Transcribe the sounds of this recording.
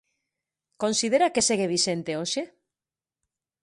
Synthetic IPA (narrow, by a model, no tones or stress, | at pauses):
konsið̞eɾakeseɣ̞eβ̞iʃent̪eoʃe